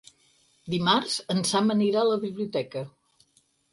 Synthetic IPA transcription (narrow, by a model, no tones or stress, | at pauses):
d̪imaɾz̥ənsaməniɾaləβiβliut̪ɛkə